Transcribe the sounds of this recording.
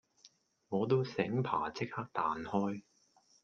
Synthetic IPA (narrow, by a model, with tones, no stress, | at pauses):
ŋɔː˨˧t̪o˥wsɪ˨˥ŋpʰa̰ː˨˩t͡sɪ˥k̚haː˥k̚t̪aː˨nhɔː˥j